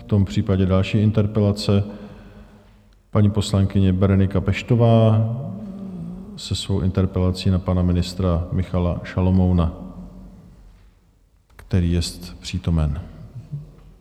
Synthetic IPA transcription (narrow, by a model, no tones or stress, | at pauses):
ft̪o̞mpr̝̥iːpaɟɛdalʃiːʔɪnt̪ɛɾpɛlat͡sɛ | paɲiːpo̞slaŋkɪɲɛbɛɾonɪkapɛʃt̪ovaː | sɛsvowʔɪnt̪ɛɾpɛlat͡siːnapanamɪnɪst̪ɾamɪxalaʃalomowna | kt̪ɛɾiːjɛst̪pr̝̥iːt̪o̞mɛn